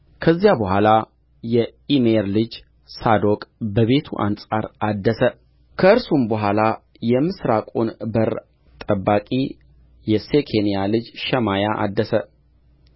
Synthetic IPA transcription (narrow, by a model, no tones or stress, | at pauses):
kʰəzːijabəhʷala | jɛimeɾlɨd͡ʒ | sad̪o̞kʼbəβe̞t̪ʰṵʔa̰nsʼaɾad̪ːəsə | kʰəɨɾsumbəɦʷala | jɛmɨsɾakʼunbəɾ | t̪ʼəbːakʼḭ | jɛsekʰenijalɨd͡ʒʃɛmajaʔa̰d̪ːəsə